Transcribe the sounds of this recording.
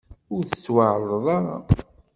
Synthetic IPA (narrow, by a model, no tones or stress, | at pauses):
ʊɾθə̥t͡sːwaʕɾˤəðˤɑɾɑ̰